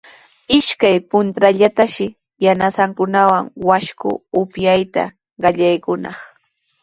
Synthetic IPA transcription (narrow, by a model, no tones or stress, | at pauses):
ɪʃkajpʊnt̪ɾaʎat̪aʃɪ | janasaŋkʊnawaŋwaʃkʊ̰ʊpjajt̪a̰ | ɢɑʎajkʊnɑ̰χ